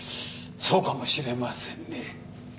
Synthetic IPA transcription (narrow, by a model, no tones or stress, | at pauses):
t͡sʰokʰamoɕiɾemasenːe